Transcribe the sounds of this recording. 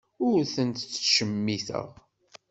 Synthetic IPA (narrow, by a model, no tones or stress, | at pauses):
ʊɾθənt̪t͡sːʃəmːiθə̰ʁ